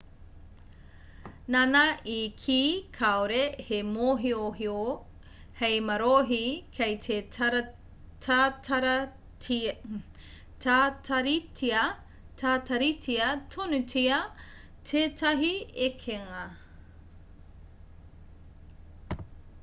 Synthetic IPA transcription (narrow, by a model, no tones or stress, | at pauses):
nanɐikʰiːkʰaoɾehemoɦioɦio | hejmɐɾoɦikʰejte | tʰatʰɐɾ | tatɐɾitɐ | tʰatɐɾitʰiɐtʰonutiɐ | tʰeːtʰɐɦiekʰeŋɐ